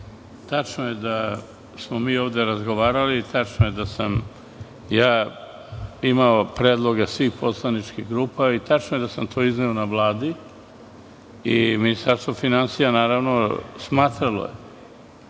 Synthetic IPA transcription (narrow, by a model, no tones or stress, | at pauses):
t̪at͡ʃnoje̞d̪a | smomiːo̞ːʋd̪eɾazɡo̞ʋaːɾalit̪at͡ʃnoje̞d̪asam | jaː | imaopɾed̪lˠo̞ɡasʋiːxpo̞slˠanit͡ʃkiɦɡɾuːpait̪at͡ʃnoje̞d̪asamt̪ʰo̞ːizneonaʋlˠaːd̪i | iminist̪aɾst̪ʋofinansijanaːɾaʋno̞smaːt̪ɾalo̞̰jḛ